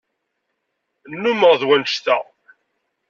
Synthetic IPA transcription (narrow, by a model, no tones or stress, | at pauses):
nːuməʁðwænʃθæ̰